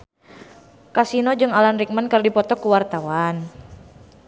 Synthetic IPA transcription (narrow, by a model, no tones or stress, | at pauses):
kasinɔd͡ʒɨŋalanrik̚mankərdipɔt̪ɔkuwart̪awan